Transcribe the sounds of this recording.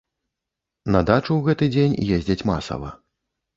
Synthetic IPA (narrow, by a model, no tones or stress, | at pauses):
nɐd̪at͡ʂuwɣɛt̪ɨd͡zʲenʲjezʲd͡zʲɐt͡sʲmasɐ̰vɐ̰